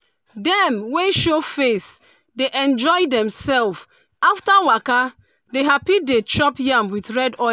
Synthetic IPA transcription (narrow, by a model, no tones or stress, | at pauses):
dɛmweʃofes | deʔɛ̃nd͡ʒɔɪdɛ̃msɛlf | aftawaka | deɦapidet͡ʃɔpjãmwiθɹɛdɔ